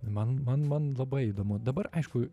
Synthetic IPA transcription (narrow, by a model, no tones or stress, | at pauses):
mɐnmɐnmɐnlˠɐbɐɪid̪oːmʊd̪ɐbɐɾʔɐɪʃkʊ